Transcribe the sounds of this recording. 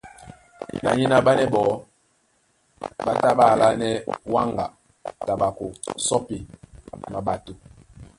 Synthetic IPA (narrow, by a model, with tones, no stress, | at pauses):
na̰˨ɲi˦na˦ɓa˦nɛ˦ɓɔ˨˦ | ɓa˦ta˦ɓa˦˨la˦nɛ˦wa˦ŋɡa˨ | ta˨ɓa˨ko˨sɔ˦pi˨ma˨ɓa˨tu˨